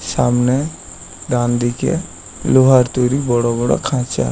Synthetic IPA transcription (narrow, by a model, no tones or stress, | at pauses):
saːmne | dãnd̪ikḛ | loɦaɾt̪oɾibɔɽabɔɽa̰kʰãt͡ʃa̰